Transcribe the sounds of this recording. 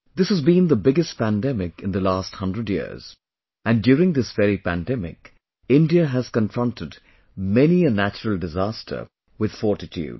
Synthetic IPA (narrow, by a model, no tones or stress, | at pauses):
ðɪshəzbĩnðəbɪɡɨst̚pæ̃ndɛmɪkɨ̃nðəlæsthʌ̃ndɹədjḭɹz̥ | ɨ̃ndjuːɹɪ̃ŋd̪ɪsvɛɹipæ̰̃ndɛmɪ̰k | ɪ̃ndiəɦɨz̥kə̃nfɹʌ̃ntʰɨd | mɛniɨnæt͡ʃəɹəl̩ˠdɨzæstʰə̰˞ | wɨð̥fɔɹtɨtʰṵːd̥